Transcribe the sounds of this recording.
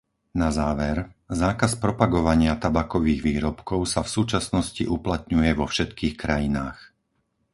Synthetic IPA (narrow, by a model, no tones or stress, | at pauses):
nazaːʋɛɾzaːkaspɾɔpaɡɔʋaɲɪat̪abakɔʋiːɣʋiːɾɔpkɔʊsafsuːt͡ʃasnɔsciʔuplat̪ɲujɛʋɔfʃɛt̪kiːxkɾajinaːx